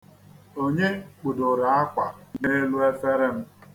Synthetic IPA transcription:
o˦ɲe˦k͡pʊ˨dʊ˨ɾa˨a˦kʷa˨ne˦lu˦e˦fe˦ɾɪ˦m̩˦

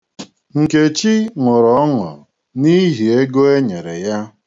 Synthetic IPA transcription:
ŋ̩˨ke˨t͡ʃi˦ŋʊ˨ɾɔ˨ɔ˦ŋɔ̰˨ | ni˦ɦi˨e˦ɡo˦e˦ɲe˨ɾe˨ja˦

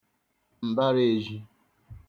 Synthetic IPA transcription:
m̩˨ba˦ɾe˨e˨ʒi˦

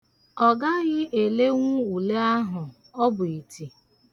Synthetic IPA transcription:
ɔ˨ɡa˦ɣɪ˦ʔe˨le˦ŋʷʊ˦u˨le˦a˦ɦʊ˨ | ɔ˦bʊ˨i˨tʰi˨

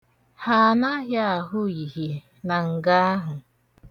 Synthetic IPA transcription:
ha˦˨na˦ɦja˦a˨ɦʊ˦i˨ɦi˨ | na˨ŋ̩˨ɡa˦a˦ɦʊ˨

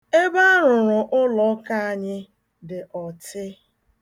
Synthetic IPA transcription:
e˦ba˦ɾʊ˨ɾʊ˨ʔʊ˦lɔ˨˦ka˦a˨ɲɪ˦ | dɪ˨ʔɔ˨tɪ˦

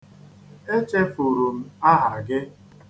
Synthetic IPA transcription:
e˦t͡ʃe˦fu˨ɾu˨m̩˦a˦ɦa˨ɡɪ˦

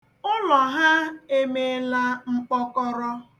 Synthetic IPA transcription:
ʊ˦lɔ˨ɦa˦e˦me˨la˦ŋ͡m̩˦k͡pɔ˦kɔ˦ɾɔ˦

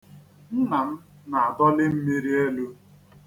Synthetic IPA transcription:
n̩˦na˨m̩˦ | na˨a˨dɔ˦lɪ˦m̩˦mi˦ɾi˦e˦lu˦

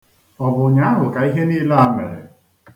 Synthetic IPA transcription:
ɔ˨bʊ˨ɲa˨˦ɦʊ˨ka˨i˦ɦe˦niː˦la˦a˨˦mḛ˨ɾɪ̰˨

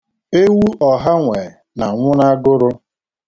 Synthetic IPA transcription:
e˦wu˦ʔɔ˨ɦa˦ŋʷe˨na˨ŋʷʊ˦na˦ɡʊ˦ɾʊ˦

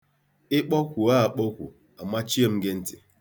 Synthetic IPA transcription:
ɪ˦k͡pɔ˦kʷu˨a˦a˨k͡pɔ˦kʷṵ˨ | a˨ma˦t͡ʃi˦e˦m̩˦ɡe˦n̩˦tɪ˨

